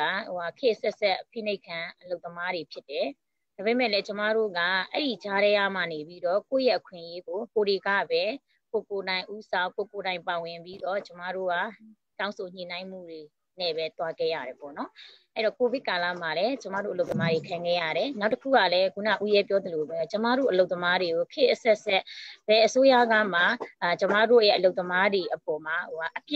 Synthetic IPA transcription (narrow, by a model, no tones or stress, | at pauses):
aakʰɪʔsɛsɛʔpʰḭneɪkʰːãʔəloʊt̪ːəmaɾepʰjɪtːɛ | dabemɛ̰lɛt͡ɕəma̰ɾo̰ɡa̰ʔɛ̰ɾit͡ɕaɾɛjam̥anepiɾɔko̰jɛʔəkʰwɪ̰̃ʔjeɡokoɾeɡä̰bɛ | kokoɾãɪ̃ʔusãʊ̃kokoɾãɪ̃mpawɪ̃mpidɔt͡ɕəma̰ɾo̰ɡa | tãʊ̃nsʰoɲ̥ḭnãɪ̃m̥ṵɾe | nɛbɛt̪waɡɛ̰ja̰ɾɛpɔ̰nɔʔɛjɾɔkobɪʔkala̰malɛt͡ɕəma̰ɾoʔəloʊt̪əmadekʰãŋɡɛ̰jä̰ɾɛnaʊtəkʰṵɡa̰lɛɡuna̰ʔujɛpjɔd̪əlobɛt͡ɕəma̰ɾo̰ʔəloʊt̪ːəmaɾeɡokʰɪʔəsɛʔsɛʔb̥ɛʔəsojä̰ɡa̰m̥at͡ɕəmä̰ɾo̰jɛʔəloʊt̪ːəmadeʔəpɔm̥ahoaʔəpj